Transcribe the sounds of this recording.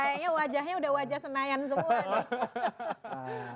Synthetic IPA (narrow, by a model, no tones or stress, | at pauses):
ajaʔɲawad͡ʒahɲaudahwad͡ʒasənajans̬əmua